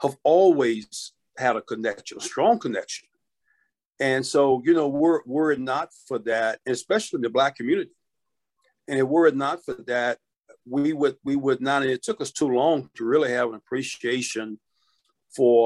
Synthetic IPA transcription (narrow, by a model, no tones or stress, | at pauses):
həvɔlˠwiz̥ | hɨɾɨkʰɨnɛkʃɨ̃nəstɹ̥ɔ̃ŋkʰɨnɛkʃɨ̃n | ɨ̃nsoʊjɨnoʊwɪɹwə˞ɨdⁿnətfə˞ðɨɾɨ̃nɨspɛʃl̩ˠinðɨblækʰɨmjʉnɨɾi | ɨ̃nɨt̚wə˞ɨdⁿnətfə˞ðɨt̚ | wiwəd̚wiwədⁿnəɾɨ̃nɨtʰʊkʌstʰulɔ̃ŋtʰɨɹɪlˠiɨvə̃nəpʰɹ̥iʃieɪʃɨ̃n | fə˞